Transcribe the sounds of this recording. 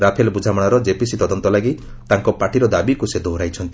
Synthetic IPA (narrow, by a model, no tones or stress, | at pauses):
ɾapʰelbud͡ʒʱamaɽ̃ɔɾɔd͡ʒepisit̪ɔd̪ɔnt̪ɔlaɡi | t̪aŋkɔpaʈʰiɾɔd̪abikused̪oɦɾajt͡ʃʰɔnt̪i